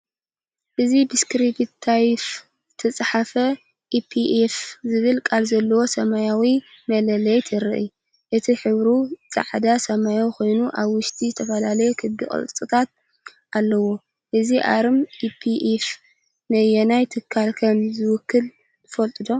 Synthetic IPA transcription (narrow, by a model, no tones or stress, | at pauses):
ʔɨzibɨskɾibit̪ʰːajf | zɨt̪ʰɐt͡sʼħafɐ | ʔipʰiʔefzɨβɨlkʼalzɐlːɐwo̞sɐmajawi | mɐlɐlɐjt̪ʰɨɾɨ̰ʔɨ̰ | ʔɨt̪ʰiħɨβɾut͡sʼa̰ʕd̪asɐmajawixo̞jnuʔaβwʊʃt̪ʼʰizɨt̪ʰɐfɐlalɐjekʰɨd̪ikʼɨ̰lʼt͡s̪ʼɨt̪ʰat̪̚ | ʔalːɐwo | ʔɨziʔa̰ɾɨmʔipʰiʔef | nɐjenajt̪ʰɨkʰːalkʰɐmzɨwʊkːɨl | tɨfɐlt̪ʼɨd̪o̞